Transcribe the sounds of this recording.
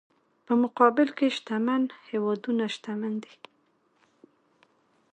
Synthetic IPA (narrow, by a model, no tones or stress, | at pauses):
pəmʊqɑbɪlkeʃt̪amanhewɑd̪unaʃt̪amand̪i